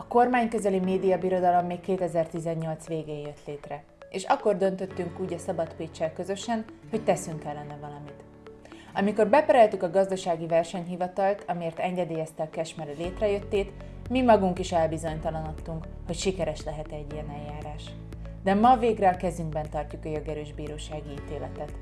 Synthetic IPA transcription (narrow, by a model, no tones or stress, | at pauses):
ɒko̞rmaːɲkøzɛlimeːd̪ijɒbiɾo̞d̪ɒlo̞mːeːkkeːt̪ɛzɛrt̪izɛɲːo̞lt̪sʋeːɡeːjjøt̪leːt̪rɛ | eːʃɒkːo̞rd̪ø̞nt̪øt̪ːyŋkuːɟɒsɒbɒt̪peːt͡ʃːɛlkø̞zø̞ʃɛnho̞ct̪ɛsyŋkɛlːɛnɛvɒlɒmit̪ | ɒmiko̞rbɛpɛɾɛlt̪ykɒɡɒzd̪ɒʃaːɡivɛrʃɛɲɦivɒt̪ɒlt̪ʰɒmieːrt̪ɛŋɡɛd̪eːjɛst̪ɛɒkɛʃmɛɾleːt̪rɛjø̞t̪ːeːt̪ | mimɒɡuŋkiʃɛlbizo̞ɲt̪ɒlɒnot̪ːuŋk | ho̞cʃikɛɾɛʃlɛɦɛt̪ɛɟːijɛnɛjjːaːɾaːʃ | d̪ɛmɒveːɡrɛɒkɛzyŋɡbɛnt̪ɒrcukɒjoɡɛɾøːʒbiːɾoːʃaːɡiiːt̪eːlɛ̰t̪ɛt̪